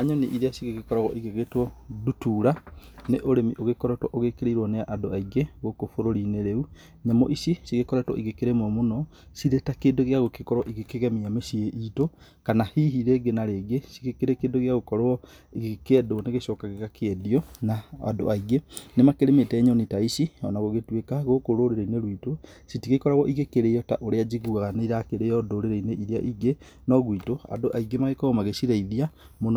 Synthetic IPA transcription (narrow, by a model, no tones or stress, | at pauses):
aɲɔniʔiɾeasiɣeɣekɔɾaɣɔʔiɣeɣetwɔdutuɾaneʔoɾemiʔoɣekɔɾɛtwɔ̰ʔoɣekeɾeiɾwɔneaʔadoaiɣeɣokofoɾoɾineɾeu | ɲamɔʔisisiɣekɔɾɛtwɔ̰ʔiɣekeɾemomunɔ | siɾetakeːdoɣjaɣokekɔɾwɔʔiɣekeɣɛmiamesieʔito | kanahiɦiɾeɡenaɾeɣesiɣekeɾekeːdoɣjaɣokɔɾoɔ | eɣekeɛdoneɣeʃɔkaɣeɣakeɛdiɔnaa̰do̰aiɡenemakeɾemetɛɲɔnitaisiɔnaɣoɣetwekaɣokoɾoɾeɾaineɾwito | sitikekɔɾaɣɔʔiɣekeɾejɔta̰ʔoɾead͡ʒiɣuɣaɣaneiɾakeɾejɔdoɾeɾaineʔiɾea̰ʔiɡe | nɔɣwitoa̰doʔaiɡemaɣekɔomaɣesiɾaiðia | mon